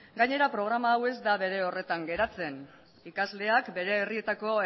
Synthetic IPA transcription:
ɡaɲe̞ɾapɾo̞ɣ̞ɾamaːwe̞zd̪aβe̞ɾe̞o̞re̞t̪aŋɡe̞ɾat͡se̞n | ikazle̞akbe̞ɾe̞ːrie̞t̪ako̞

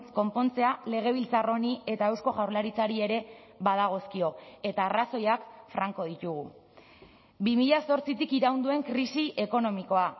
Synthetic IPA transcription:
sko̞mpo̞nt͡se̞ale̞ɣ̞e̞β̞ilt͡saro̞nie̞t̪aewsko̞ɣawɾlaɾit͡saɾie̞ɾe̞ | βaðaɣ̞o̞skio̞e̞t̪aːraso̞jakfɾaŋko̞ð̞it̪uɣ̞u | bimiʎaso̞ɾt͡sit̪ikiɾawnd̪ue̞ŋkɾisiʔe̞ko̞no̞miko̞a

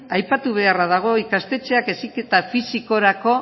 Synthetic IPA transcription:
ajpat̪uβ̞e̞arað̞aɣ̞o̞ikast̪e̞t͡ʃe̞ake̞sike̞t̪afisiko̞ɾako̞

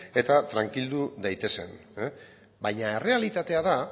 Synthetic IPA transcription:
e̞t̪at̪ɾaŋkild̪ud̪ajt̪e̞se̞n | bajɲae̞re̞alit̪at̪e̞aða

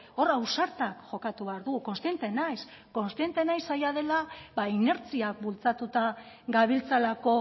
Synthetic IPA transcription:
o̞rawsaɾt̪akʝo̞kat̪uβe̞aɾðuɣuko̞nst̪ie̞nt̪e̞najsko̞nst̪ije̞nt̪e̞najsːajað̞e̞labaine̞ɾt͡siakbult͡sat̪ut̪a | ɡaβ̞ilt͡salako̞

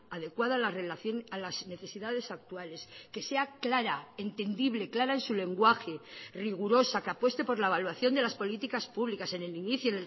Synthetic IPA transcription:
að̞e̞kwaðalarelaθonalazne̞θe̞siðað̞e̞sak̚t̪uale̞ske̞se̞aklaɾae̞nt̪e̞nd̪iβle̞klaɾaensule̞ŋɡwaxe̞riɣ̞uɾo̞sakeapwe̞st̪e̞po̞ɾlae̞βalwaθjo̞nd̪elaspo̞lit̪ikaspuβlikase̞neliniθjuene

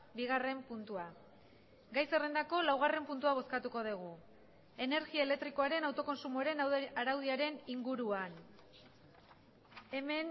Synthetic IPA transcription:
biɣare̞mpunt̪ua | ɡajserend̪ako̞lawɣ̞are̞mpunt̪uaβ̞o̞skat̪uko̞ð̞iɣ̞u | e̞ne̞ɾɣiaele̞k̚t̪ɾiko̞aɾe̞nawt̪o̞ko̞nsumoɾe̞nwaɾawð̞iaɾe̞niŋɡuɾuan | e̞me̞n

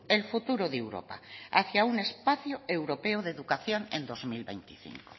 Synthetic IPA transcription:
elfut̪uɾoðewɾo̰pa̰a̰θjaune̞spaθjoe̞wɾo̞peoðeðukaθjoŋḛ̃nd̪o̞zmilβejnt̪iθḭŋko̥

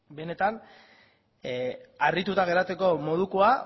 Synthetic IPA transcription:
be̞ne̞t̪an | arit̪ut̪aɣe̞ɾat͡se̞ko̞mo̞ð̞ukoa

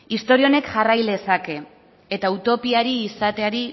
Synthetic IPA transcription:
ist̪o̞ɾio̞ne̞kʝarajle̞sake̞ | et̪aut̪o̞piaɾiːsat̪e̞aɾi

